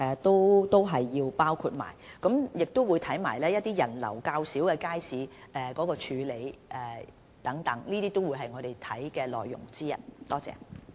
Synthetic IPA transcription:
ʔɛ˨t̪o˥wt̪o˥wɦɐ˨jːiː˧wpaː˥wkʰu˧t̚ma̰ː˨˩jkɐ˨˥mjɪ˨k̚t̪o˥wu˨˧jt̪ʰɐ˨˥jmaː˨˩jlɛː˥jɐ˥t̚t̪iː˥jɐ˨˩nlɐ̰˨˩wkaː˧wsiː˨˥wkɛː˧kaː˥jsiː˨˧ʔɛː˨kɔː˨˥kɔː˧t͡ʃʰyː˨˧le˨˧jʔɛː˨˩ | t̪ɐ˨˥ŋt̪ɐ˨˥ŋniː˥t̪iː˥t̪o˥wuː˨˧jɦɐ˨jŋɔː˨˧ɾe˨jt̪ʰɐ˨˥jkɛː˧lɔ̰ː˨˩jːʊ̰˨˩ŋt͡siː˥jɐ̰˨t̚t̪ɔː˥t͡sɛ̰ː˨˧

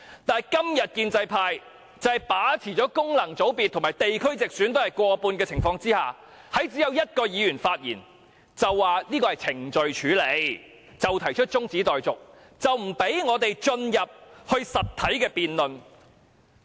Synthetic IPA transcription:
t̪aː˨jkɐ˥mjɐ˨t̚kiː˧nt͡sɐ˧jpʰaː˧j | t͡sɐ˨jpaː˨˥t͡sʰiː˨˩t͡ʃɔː˨˥kʊ˥ŋlɐ˨˩ŋt͡so˨˥wpiː˨t̪ʰːmaː˨˩jt̪e˨jkʰɵ˥ɥt͡sɪ˨k̚syː˨˥nt̪o˥whɐ˨jkʷɔː˧puː˧nkɛː˧t͡sʰɪ˨˩ŋfɔː˧ŋt͡siː˥haː˨˩ | hɐ˨˥jt͡siː˨˥jɐ˨˧˥wjɐ˥t̚kɔː˧jiː˨˧jɥyː˨˩nfaː˧t̚jḭː˨˩n | t͡sɐ˨wːaː˨liː˥kɔː˧ɐ˨jt͡sʰɪ˨˩ŋt͡ʃɵ˨ɥt͡ʃʰyː˨˥le˨˧j | t͡sɐ˨wt̪ʰɐ˨˩jt͡ʃʰɵ˥t̚t͡sʊ˥ŋt͡siː˨˥t̪ɔː˨jt͡sʊ˨k̚ | t͡sɐ˨wm̩˨˩pe˨˥jŋɔː˨˧t̪e˨jt͡ʃɵ˧njɐ˨p̚hɵ˧ɥsɐ˨t̪̚ʰːɐ˨˥jkɛː˧piː˨˧nlɵ˨n

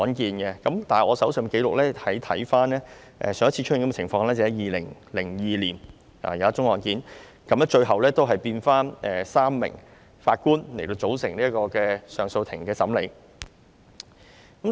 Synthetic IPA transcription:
ɔː˨˥nkiː˧nɡɛ˧kɐ˨˥mt̪aː˨nhɐ˨˩ʔɔː˨˧sɐ˨˥wsœ˨m˨ke˨˧˥lʊ˨k̚lɛː˥hɐ˨˥jt̪ʰɐ˨˥jfaː˥nlɛː˥ | ʔɛ̰ː˧sœː˨˧ŋɐ˥tt͡sʰiː˧t͡ʃ̚ʰːŋkm˥ɛ˨t͡sʰɪ˨˩ŋfɔː˧ŋlɛː˥t͡shɛ˨˥jiː˨lɪ˨˩ŋlɪ˨˩ŋjiː˨liː˨˩n | a̰ː˨˩jɐ˨˧˦ɐ˥t͡ʃʊ˥ŋɔː˨nkiː˨˥n | kɐ˨˧mlɛ˥t͡ʃɵ˧ɥɦɐ˨wlɛː˥t̪o˥wɦɐ˨jpiː˧nfaː˥nʔɛː˨saː˥mːɪ̰˨˩ŋ | faː˧t̚kuː˥nle˨˩jt̪o˧wt͡so˨˥wsɪ˨˩ŋliː˥ɐ˥kɔː˧kɛː˧sœː˨ŋso˧wt̪ʰɪ˨˩ŋkɛː˧sɐ˨˥mlḛ˨˧j | kɐ˨˥m

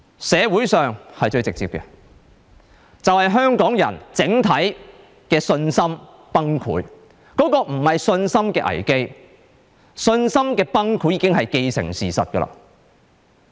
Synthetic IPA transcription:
sɛː˨˧wuː˨˥jsœː˨ŋhɐ˨jt͡ʃɵ˧ɥt͡sɪ˨k̚t͡siː˧p̚kɛ̰˧ | t͡sɐ˨whɐ˨jɦœː˥ŋkɔː˨˥ŋjɐ̰˨˩nt͡sɪ˨˥ŋt̪ʰɐ˨˥j | kɛː˧sɵ˧nsɐ˥m | pɐ˥ŋkʰṵː˨˥j | kɔː˨˥kɔː˧m̩˨˩hɐ˨jsɵ˧nsɐ˥mkɛː˧ʔɐ̰˨˩jke˥j | sɵ˧nsɐ˥mkɛː˧pɐ˥ŋkʰu˨˥jːiː˨˧kɪ˥ŋɦɐ˨jke˧jsɪ̰˨˩ŋsiː˨˩sɐ̰˨t̚kə˧lɐ̰˧

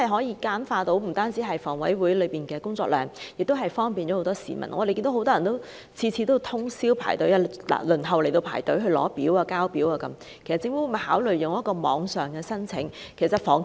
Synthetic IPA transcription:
ɐ˨jɦɔː˨˥jiː˧kaː˥nfaː˧t̪o˨˥wm̩˨˩t̪aː˥nt͡siː˨˥ɦɐ˨jfɔː˨˩ŋwɐ˨˥jwuː˨˥jlɵ˨˧piː˨nkɛː˧kʊ˥ŋt͡sɔː˧k̚lœː˨ŋjɪ˨k̚t̪wɦɐ˨jfɔː˥ŋpiː˨nt͡ʃɔː˨˥ho˧˥wt̪ɔː˥sḭː˨˩mɐ̰˨˩nʔɔː˨˧e˨ki˧nd̪ho˧˥wt̪ɔː˥jɐ˨˩nt̪w | t͡sʰiː˧t͡sʰiː˨˧t̪o˥wt̪ʰʊ˥ŋsiː˥wpʰa̰ː˨˩jt̪ɵ˨˥jaː˧la̰˨˩lɵ˨˩nɦɐ˨wle˨˩jt̪o˧wpʰaː˨˩jt̪ɵ˨˥ɦɵ˧ɥlɔ̰ː˨˥piː˨˥waː˧kaː˥wpiː˨˥waː˧kɐ˨˦˥m | kʰe˨˩sɐ˨t̚t͡sɪ˧ŋfu˨˥wm˨˩haː˨˥wlɵ˨ɥjʊ˨ŋjɐ˥t̚kɔː˧mɔː˨˧ŋsœː˨ŋkɛː˧sɐ˥nt͡sʰɪ̰˨˥ŋ | kʰe˨˩sɐ˨t̚fɔː˨˩ŋ

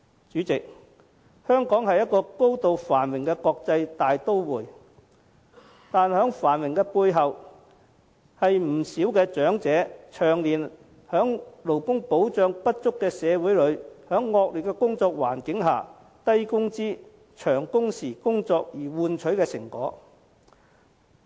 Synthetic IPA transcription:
t͡ʃyː˨˥t͡sɪ˨k̚ | hœː˥ŋkɔː˨˥ŋhɐ˨jɐ˥t̚kːɔː˧ko˥wt̪o˨wfaː˨˩nwɪ˨˩ŋkɛ˧kɔː˧k̚t͡sɐ˧jt̪aː˨jt̪o˥wwuː˨˩j | t̪aː˨nhœː˨˥ŋfaː˨˩nwɪ˨˩ŋkɛː˧puː˧jɦɐ˨w | hɐ˨jm̩˨˩siː˨˥wkɛː˧t͡ʃœː˨˥ŋt͡sɛː˨˥t͡ʃʰœː˨˩ŋliː˨˩n | hœː˨˥ŋlo˨˩wkʊ˥ŋpo˨˥wt͡ʃœː˨˧ŋpɐ˥t̚t͡sʊ˥kːɛː˧sɛː˨˧wuː˨˥jlɵ˨˧˥ɥhœː˨˥ŋːɔː˧k̚ly˨t̚kːɛ˧kʊ˥ŋt͡sɔː˧k̚wa̰ː˨˩nkɪ˨˥ŋɦaː˨˩ | t̪ɐ˥jkʊ˥ŋt͡siː˥ | t͡ʃʰœː˨˩ŋkʊ˥ŋsiː˨˩kʊ˥ŋt͡sɔː˧k̚jiː˨˩wuː˧nt͡ʃʰɵ˨˥ɥkɛː˧sɪ˨˩ŋkɔ̰ː˨˥

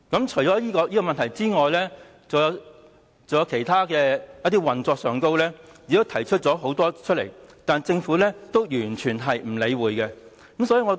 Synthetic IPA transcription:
kɐ˨˥mt͡ʃʰɵ˨˩ɥt͡sɔː˨˥jiː˥kɔː˧jiː˥kɔː˧mɐ˨nt̪ʰɐ˨˩jt͡siː˥ŋɔː˨jlɛː˥ | t͡sɐ˨wjɐ˨˧ | t͡sɐ˨jɐ˨˧wkʰe˨˩jt̪ʰaː˥kɛː˧jɐ˥t̪iː˥wɐ˨nt͡sɔː˧k̚sœː˨ŋko˥wlɛː˥ji˨˧t̪o˥wt̪ʰɐ˨˩jt͡ʃʰɵ˥t̚t͡sɔː˨˥ɦo˨˥wt̪ɔː˥t͡ʃʰɵ˥t̚lḛ˨˩jt̪aː˨nt͡sɪ˧ŋfuː˨˥lɛː˥t̪o˥wjyː˨˩nt͡ʃʰyː˨˩nɦɐ˨jm̩˨˩le˨˧jwuː˨jkɛ˧ | kɐ˨˥msɔː˨˥iː˧ŋɔː˨˧

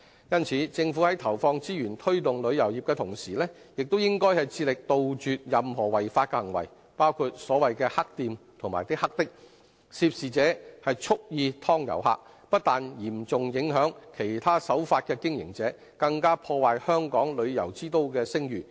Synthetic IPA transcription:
jɐ˥nt͡sʰiː˨˥t͡sɪ˧ŋfu˨˥hɐ˨˥jt̪ʰɐ˨˩wfɔː˧ŋt͡siː˥jyː˨˩nt̪ʰɵ˥ɥt̪ʊ˨ŋlɵ˨˧ɥjɐ˨˩wjiː˨p̚kɛː˧t̪ʰʊ˨˩ŋsiː˨˩lɛː˥ | jɪ˨k̚t̪o˥wjɪ˥ŋkɔː˥jhɐ˨jt͡sʰiː˧lɪ˨k̚t̪o˨wt͡ʃyː˨t̚jɐ˨mɦɔː˨˩wɐ˨jfaː˧t̚kɛ˧hɐ˨˩ŋwɐ̰˨˩j | paː˥wkʰuː˧t̚sɔː˨˥wɐ˨jkɛː˧hɐ˥k̚t̪iː˨˧mt̪ʰʊ˨˩ŋmaː˨˩jt̪ɪ˥k̚hɐ˥k̚t̪ɪ˥k̚ | si˧p̚siː˨t͡sɛː˨˥hɐ˨jt͡ʃʰʊ˥k̚jiː˧t̪ʰɔː˥ŋjɐ̰˨˩wɦa̰ː˧k̚ | pɐ˥t̚t̪aː˨njiː˨˩mt͡sʊ˨ŋjɪ˨˥ŋɦœː˨˥ŋkʰe˨˩jt̪ʰaː˥sɐ˨˥wfaː˧t̚kɛː˧kɪ˥ŋjɪ̰˨˩ŋt͡sɛː˨˥ | kɐ˧ŋkaː˥pʰɔː˧waː˨jhœː˥ŋkɔː˨˥ŋlɵ˨˧ɥjɐ̰˨˩wt͡siː˥t̪o˧˥wkɛː˧sɪ˥ŋjyː˨˩

